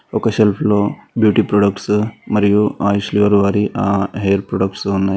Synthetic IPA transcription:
okɐɕelfʰlobjuːʈipɾoɖəkʈsmɐɾjuaːjusliʋəɾʋaːɾiʔaɦeɾpɾoɖəkʈsɦona

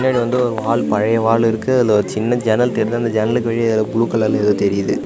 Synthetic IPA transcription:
nːaːɽiʋɐnd̪ɯɔɾɯʋaːɭpɐɻɐjɐʋaːɭɪɾɯkːɯɐlːɐɾɯt͡ʃɪnːɐd͡ʒɛnɐlt̪ɛɾɪnd̪aːnd̪ɐd͡ʒɛnɐlɯk̬ːɯʋɐɻɪjɐlɐbʊluːkːɐɭːɐːlːɐɛðoːt̪ɛɾɪjɐðɯ

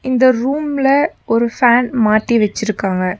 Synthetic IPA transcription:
ɪnd̪ɐɾuːmlɐɔɾɯfaːnmaːʈːiʋɛt͡ʃːɪɾɯkːaːŋɡɐ

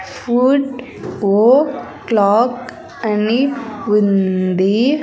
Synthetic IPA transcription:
fuɖ | oːkː | lɔːk | ɐniʋind̪i

